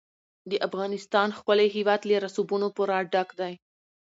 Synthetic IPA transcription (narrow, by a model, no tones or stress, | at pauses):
d̪əʔafɣɑnɪst̪ɑnxpəleɦiwɑd̪leɾasubunopoɾaɖakd̪aj